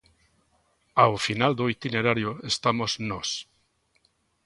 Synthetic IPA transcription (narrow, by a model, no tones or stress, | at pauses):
awfinald̪oit̪ineɾaɾjoest̪amoznos